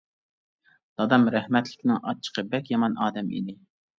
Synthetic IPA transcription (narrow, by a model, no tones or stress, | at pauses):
d̪̥ɑd̪ɑmɾæhmɛt̪lɪ̥kʲnɪŋʔɑ̰t͡ʃʰːə̥qʰəbɛkʲjɑmɑnɑːd̪ɛmḭd̪ɪ